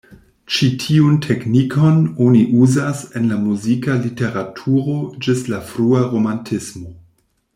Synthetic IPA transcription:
t͡ʃitʰiuntʰe̞knikʰo̞noniʔuzase̞nlamuzikalite̞ɾatʰuɾo̞d͡ʒislafɾuaɾo̞mantʰismo̞

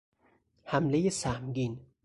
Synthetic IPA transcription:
hæmlejesæhmɡiːn

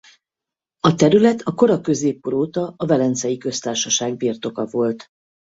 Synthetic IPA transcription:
ɒt̪ɛɾylɛt̪ʰɒko̞ɾɒkø̞zeːpːoɾoːt̪ɒːvɛlɛnt̪sɛjikø̞st̪aːrʃɒʃaːɡ̚birt̪o̞kɒvo̞lt̪

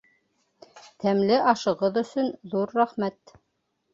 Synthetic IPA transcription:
t̪æmlɘʔɑʃɤ̆ʁɤðɵ̆sɵnðuɾːæχmæt̪

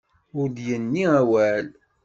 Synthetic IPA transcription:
ʊɾd̪jənːiæwæl

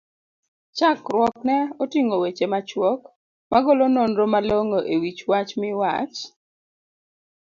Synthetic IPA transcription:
t͡ʃakɾwɔknɛɔtiŋowet͡ʃemat͡ʃwɔk | maɡolononɾomaloŋoʔewit͡ʃwat͡ʃmɪwa̰t͡ʃ

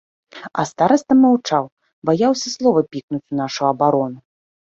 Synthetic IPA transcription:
ɐ̰st̪aɾɐsʲt̪ɐmawt͡ʂaw | bajawsʲɐslˠɔvɐpʲiknut͡sʲunaʂuɐbaɾɔnu

